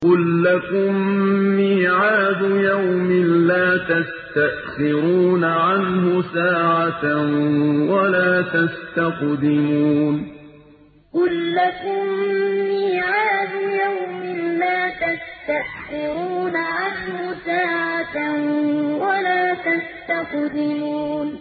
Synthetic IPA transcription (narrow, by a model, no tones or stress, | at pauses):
qʊlːakʊmːɪːʕaːd̪ʊjawmɪnlaːt̪ast̪aʔxɪɾuːnaʕanhʊsaːʕat̪awalaːt̪ast̪aqd̪ɪmuːn | qʊlːakʊmːɪiːʕaːd̪ʊjawmɪnlaːt̪ast̪aʔxɪɾuːnaʕanhʊsaːʕat̪awalaːt̪ast̪aqd̪ɪmuːn